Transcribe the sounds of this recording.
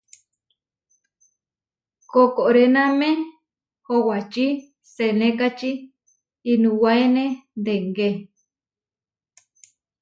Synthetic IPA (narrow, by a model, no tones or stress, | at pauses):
kokoʔɾenãmẽ | howat͡ʃi | senekat͡ʃiː | nũwaenend̪eŋɡe